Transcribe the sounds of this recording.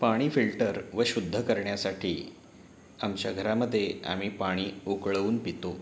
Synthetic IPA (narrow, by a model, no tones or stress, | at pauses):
paɽ̃iːfilʈəɾʋəɕud̪ʱːəkəɾɳjasaʈʰiː | amt͡ɕaɡʱəɾaməd̪ʱːjea̰m̤iːpaɽ̃iːukɭəuːnpit̪o